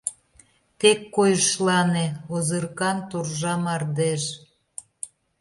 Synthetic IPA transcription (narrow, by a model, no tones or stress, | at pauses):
t̪ekːojəʃlɑneozərkɑnt̪urʒɑmɑrd̪eʃ